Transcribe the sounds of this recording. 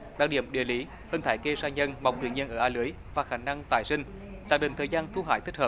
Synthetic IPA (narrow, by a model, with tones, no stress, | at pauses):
ɗa̰ː˧˥˩ɗḭ˧˩˨əmɗḭ˧˨əli˨˦ | həː˧˩nt̪ʰaː˧˩˦jke˧saː˧ɲə˧nma̰˨˩wŋ͡mt̪ɨ̰˧˩ɲi˧ənʔəː˧˩ʔaː˧lɨ˨˦əj | vaː˨˩xaː˧˩na˧ŋt̪aː˧˩jsï˧ŋ̟ | zaː˨˥ŋ̚ɗḭ̈˧˨ŋt̪ʰəː˨˩zaː˧nt̪ʰu˧ɦa̰ː˧˩jt̪ʰi˦˥k̚həː˨˩p̚